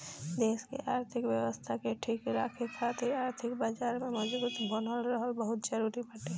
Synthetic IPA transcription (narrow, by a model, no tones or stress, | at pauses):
d̪eːskḛʔaːɾt̪ʰɪkwjəʋəst̪ʰakeʈʰikɪlaːkʰekʰat̪ʰɪaːɾt̪ʰɪkbaːd͡ʒaːɾmẽmɐd͡ʒbut̪bʱɔnəlɾəɦəlbəɦʊt̪̚d͡ʒəɾuɾipɐʈe